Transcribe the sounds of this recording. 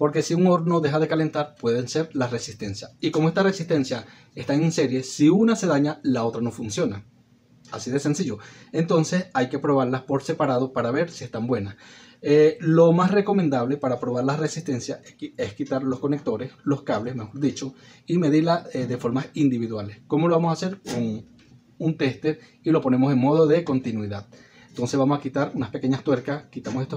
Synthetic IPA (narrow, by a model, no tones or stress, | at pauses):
po̞ɾke̞siuŋoɾno̞ðe̞xaðe̞kale̞nt̪aɾpwe̞ðe̞nse̞ɾlasresist̪e̞nsjaikomoe̞st̪are̞sist̪e̞nsja | e̞st̪aŋinse̞ɾje̞siunase̞ðaɲalao̞t̪ɾano̞funsjo̞na | asiðe̞se̞nsiʝo̞e̞nt̪o̞nse̞sajke̞pɾo̞βaɾlaspo̞ɾse̞paɾað̞o̞paɾaβe̞ɾsie̞st̪ambwe̞naselo̞masre̞ko̞mẽnd̪aβle̞paɾapɾo̞βaɾlare̞sist̪e̞nsjaeskit̪aɾlo̞sko̞nek̚t̪o̞ɾe̞slo̞skaβle̞sme̞xo̞ɾðit͡ʃo̞ime̞ðiɾlaeðe̞fo̞ɾmasind̪iβiðwalesko̞mo̞loβamosase̞ɾkon | unt̪e̞st̪e̞ɾ | ilo̞po̞ne̞mo̞se̞ŋmo̞ð̞o̞ðe̞ko̞nt̪inwiðað | ent̪o̞nse̞zβamo̞sakit̪aɾunaspe̞ke̞ɲast̪we̞ɾkaskit̪amosest̪o